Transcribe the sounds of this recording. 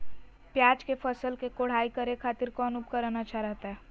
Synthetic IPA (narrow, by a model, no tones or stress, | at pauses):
pjaːd͡ʒkepʰəsəlkekoɽ̤aikəɾekʰat̪iɾkɔnup̚kəɾənat͡ʃʰaɾəɦt̪aɦɛ